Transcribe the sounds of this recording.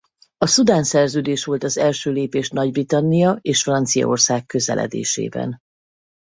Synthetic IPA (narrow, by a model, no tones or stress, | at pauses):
ɒsud̪aːnsɛrzøːd̪eːʃʋo̞lt̪ɒzɛlʃøːleːpeːʃnɒɟbrit̪ɒnːijɒeːʃfrɒnt̪sijɒ̰o̞rsaːkːø̞zɛ̰lʔɛ̰d̪ḛːʃḛːbɛ̰n